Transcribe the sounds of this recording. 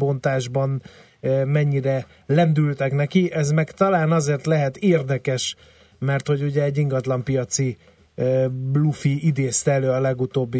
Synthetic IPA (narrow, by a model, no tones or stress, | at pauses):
bo̞nt̪aːʒbɒnː | mɛɲːiɾɛ | lɛnd̪ylt̪ɛknɛkiʔɛzmɛkt̪ɒlaːnɒzeːrt̪lɛɦɛt̪eːrd̪ɛkɛʃ | mɛrt̪ho̞ɟuɟɛːɟːiŋɡɒt̪lɒmpijɒt̪si | blufiid̪eːst̪ɛløːɒlɛɡut̪oːbːi